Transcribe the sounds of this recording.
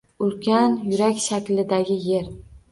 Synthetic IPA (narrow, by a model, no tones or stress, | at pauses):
ʊlkʲʰanjʊɾakʲʃakʲlɪd̪aɡʲɪje̞ɾ